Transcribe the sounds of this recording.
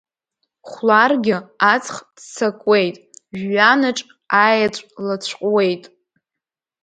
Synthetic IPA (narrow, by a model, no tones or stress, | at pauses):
χʷlarɡʲɪat͡sʰʼχdt͡sʰakʼwejtʼʒːanɨʈ͡ʂʼ | ajat͡ɕʷʼlat͡ɕʷʰqʼwe̞jtʼ